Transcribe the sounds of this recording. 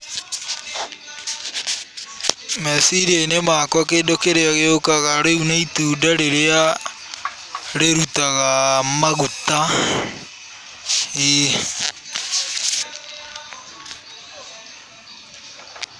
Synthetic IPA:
mɛsiɾienemakwɔkeːndokeɾeaɣeokaɣaɾeunaituːdaɾeɾea | ɾeɾutaɣamaɣuta | i

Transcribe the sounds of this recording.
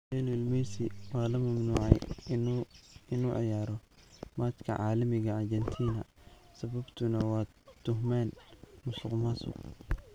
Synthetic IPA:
ɛnɪlmɛːsiwɑːlɐmɐmnuːʕɛ̰j | ɪnuːʕɑ̰jaːɾɔmaːt̪kʰɐ̰ʕɑːlɐmɪɣɐːrt͡ʃɛnt̪ʰiːnɐ | sɐβɐbt̪ʰʊnɐwɑː | t̪ʰʊɦmaːnmʊsʊqmasʊ̰q

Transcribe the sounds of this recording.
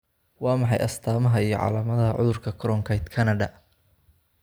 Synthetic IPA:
wɑːmɑħɑ̰jʔɐst̪ʰaːmɐɦɐijɞ̰ʕɑ̰ːlaːmɐðɐɦɐʕʊ̰ðʊrkʰɐkʰɾɔŋkʰɐjt̪kʰɐnɐɖɐ

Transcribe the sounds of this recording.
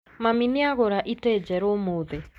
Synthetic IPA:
maminɪaɣoɾaʔited͡ʒɛɾomoðe

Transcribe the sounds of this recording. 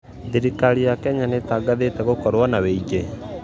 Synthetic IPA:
diɾikaɾiakɛɲanetaɡaðetɛɣokɔɾwanaweiɡe

